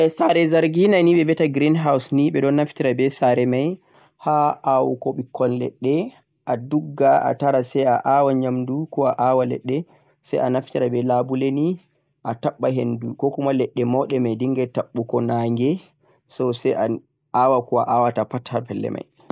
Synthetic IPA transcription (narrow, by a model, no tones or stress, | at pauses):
ʔɛsaɾɛzaɾɡinaniɓɛvɛtaɡɾinɦawsniɓɛɗɔnːaftiɾabɛsaɾɛmaj | haʔawukɔɓikʰːɔnlɛ̰ɗːɛ | ʔaduɡːaʔa̰taɾasɛjaʔawaɲamdukɔaʔawalɛ̰ɗːɛ | sɛ̰janaftiɾabɛlabuleni | ʔataɓːaɦendukɔkumalɛɗːɛmɔɗɛmajdiŋɡɛtaɓːukɔnaŋɡɛ | sɔsɛʔa | awakɔaʔawatapathapɛlːɛ̰mʔa̰j